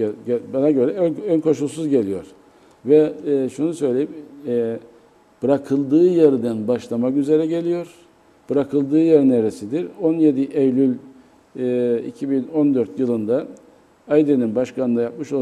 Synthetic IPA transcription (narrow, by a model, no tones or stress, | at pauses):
ɟɛbanaɟøɾɛønkʰo̞ʃulˠsuzɟe̞lʲijo̞̰ɾ | vɛʃunusø̞jlʲe̞jim | b̥ɯɾakʰɯlˠd̪ɯːjeɾid̪ænbaʃlˠamakyze̞ɾɛɟe̞lʲijo̞ɾ | b̥ɯɾakʰɯlˠd̪ɯːjɛɾneɾesid̪iɾo̞njed̪iʔejlʲylʲ | ḭcʰibino̞nd̪øɾt̪jɯlˠɯnd̪a | ajd̪eninbaʃkanɯnajap̚mɯʃolˠ